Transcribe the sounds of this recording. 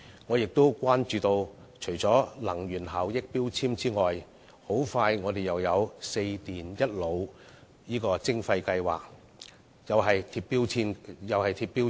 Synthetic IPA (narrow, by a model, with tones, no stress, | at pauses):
ŋɔː˨˧jɪ˨k̚t̪o˥wkʷaː˥nt͡ʃyː˨t̪o˧w | t͡ʃʰɵ˨˩ɥt͡sɔː˨˥lɐ˨˩ŋɥyː˨˩nɦaː˨˩wjɪ˥k̚piː˥wt͡sʰiː˥mt͡siː˥ŋɔː˨j | ho˨˥wfaː˧jŋɔː˨˧d̪e˨˩jɐ˨wjɐ˨˧wse˧jt̪iː˨˩njɐ˥t̚lo˨˧w | jiː˥kɔː˧t͡sɪ˥ŋfɐ˧jkɐ˧jwa̰ː˨˩k̚ | jɐ˨˧wɦɐ˨jt̪ʰiː˧ppːiː˥wʰiː˥njɐ˨whɐ˨jt̪ʰiː˧pːiː˥